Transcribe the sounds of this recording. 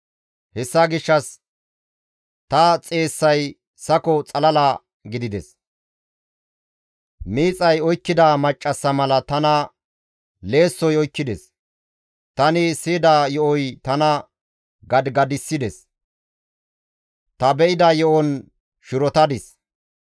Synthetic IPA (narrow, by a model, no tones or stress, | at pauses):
hɛsːɐɡɪʃːɐs | t̪ɐt͡sʼe̞ːsːɐj | sɐkɔt͡sʼɐlɐlɐ | ɡɪd̪ɪd̪ɛs | miːt͡sʼɐjɔjkːɪd̪amɐt͡ʃʼːɐsːɐmɐlɐt̪ɐnɐ | le̞ːsːɔjɔjkːɪd̪ɛs | t̪ɐnɪsɪd̪ajɔʔɔjt̪ɐnɐ | ɡɐd̪ɡɐd̪ɪsːɪd̪ɛs | t̪ɐbɛʔɪd̪ɐjɔʔɔn | ʃɪɾɔt̪ɐd̪ɪs